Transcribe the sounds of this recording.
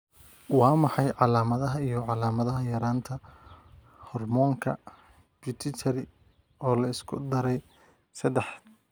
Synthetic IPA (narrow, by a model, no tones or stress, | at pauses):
wɑːmɑħɑjʕɑlaːmɐðɐɦɐijɞʕɑlaːmɐðɐɦɐjɐɾaːnt̪ʰɐ | hɔrmɔːŋkʰɐ̰ | bɪt̪ʰɪt͡ʃʰɐɾɪ | ɔːlɐɪskʰʊ̰d̪ɐɾɛj | sɐd̪ɛħ